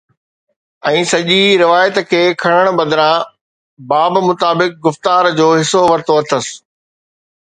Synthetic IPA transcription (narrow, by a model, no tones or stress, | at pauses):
ɛ̃ːsɐʄiɾɪʋaːjət̪kʰeːkʰɐɽ̃əɽ̃bɐ̃d̪ɾã | baːbmʊt̪aːbɪk̚ɡʊft̪aːɾd͡ʑoːɦɪsoʋɐɾt̪oɐt̪ʰəsɪ̥